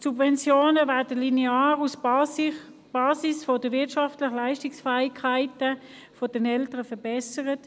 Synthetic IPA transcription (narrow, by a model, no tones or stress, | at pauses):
subvɛnt͡sjoːnəvɛːɐdəlineaːʁus | b̥ɑːsisfod̥əʋɪɐtʃɑftlɪχəlaɪʃtɪksfɛːikʰaɪtə | fod̥ɛnɛltəʁəfɛbɛsəʁət